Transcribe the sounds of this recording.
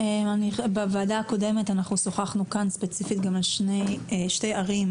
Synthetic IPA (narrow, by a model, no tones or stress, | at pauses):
emanibevaːdaːko̞de̞me̞tanaχnusoχaχnukanspet͡sifitɡamleʃnejʃtejaʁim